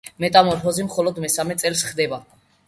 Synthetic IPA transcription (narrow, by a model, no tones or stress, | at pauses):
mɛt̪ʼamɔɾfɔzimχɔlɔd̪mɛsamɛt̪sʼɛlsχd̪ɛba